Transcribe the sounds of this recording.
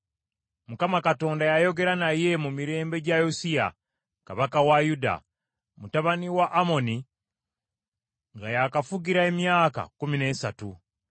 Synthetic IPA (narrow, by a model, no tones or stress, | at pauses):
mukamakato̞ːndajajo̞ɡe̞ɾanaje̞mumiɾe̞ːmbe̞ɟajosija̰ | kaβakawajuda̰ | mutaβaniwaʔːmo̞ni | ŋɡajakafuɡiɾae̞mjaːka̰kumine̞ːsatu